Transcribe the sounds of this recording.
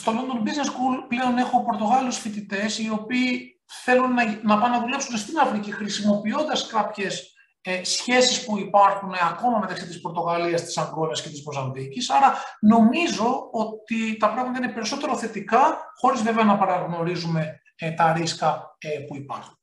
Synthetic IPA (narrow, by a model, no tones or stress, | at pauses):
st̪o̞lond̪o̞mbizneskulple̞o̞ne̞xo̞po̞ɾt̪o̞ɣɐlusfit̪it̪e̞sio̞piː | θe̞lunɐnɐpɐnɐðule̞psunst̪inɐfɾicixɾisimo̞pio̞nd̪ɐskɐpçe̞sː | çe̞sispuipɐɾxunɐko̞mɐmet̪ɐksit̪ispo̞ɾt̪o̞ɣɐliɐst̪i̥sɐŋɡɾonɐsce̞t̪izvo̞zɐnðicisɐɾɐno̞mizo̞o̞t̪it̪ɐpɾɐɣmɐt̪ɐinepe̞ɾiso̞t̪e̞ɾo̞θe̞t̪ikɐxo̞ɾizve̞veɐnɐpɐɾɐɣno̞ɾizume̞ | t̪ɐɾiskɐpuipɐɾxun